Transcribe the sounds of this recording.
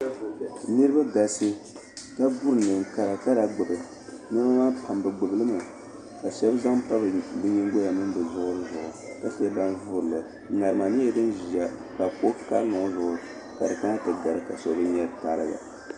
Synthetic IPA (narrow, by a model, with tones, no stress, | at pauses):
nɨ˦ɾɨ˦ba˦ɡa˨sɨ˦ | ka˦bu˦ɾɨ˨nɨ˨ŋ˨ka˨ɾa˨ka˦da˨ɡ͡bɨ˨bɨ˨ | nɨ˦na˦maː˦pʰa˨mbɨ˨ɡ͡bɨ˨bɨ˨lɨ˦ma˨ | ka˨ʃɛ˦bza˦ŋpa˦bɨ˨bɨ˦ɲi˦ŋ˦ɡo˦ja˨mɨ˦m˦bɨ˨zʊ˦ʔʊ˦ɾɨ˦zʊ˨ʔʊ˨ka˦se˦ba˦nvʊ˦ɾɨ˨lɨ˨ | ŋa˨ɾɨ˨ma˨nɨ˦jɛ˦dɨ˦nʒi˨a˨ka˨ko˦ka˦lnʊ˨ŋ˦zʊ˨ʔʊ˨ | ka˨dɨ˨ka˦na˦tɨ˨ɡa˨ɾɨ˨ka˨so˨bɨ˦ɲɛ˦ta˨ɾɨ˨ɡa̰˨